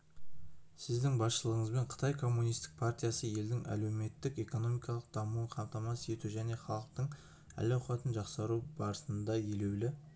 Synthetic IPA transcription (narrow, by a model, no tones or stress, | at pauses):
sɪzd̪ɪŋbɑsʃəlˠəʁəɴəzbe̞ɴqʰə̥t̪ɑjkʰo̞mːunijst̪ɪ̥k̚pʰart̪ijasəje̞ld̪ɪŋʔæ̰le̞wme̞t̪ːɪke̞ko̞no̞mijkɑlˠəq̚d̪ɑmuəɴqʰɑmt̪ɑmɑsəje̞t̪uʒæne̞χɑlˠəq̚t̪əɴ | æ̰laɑt̪ənʒɑqsɑɾubɑɾəsənd̪ɑje̞le̞wlɪ